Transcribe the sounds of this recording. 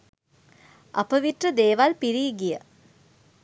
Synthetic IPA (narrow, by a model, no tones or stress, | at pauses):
ʔɐpəʋiʈrəd̪eːʋalpiɾiːɡijə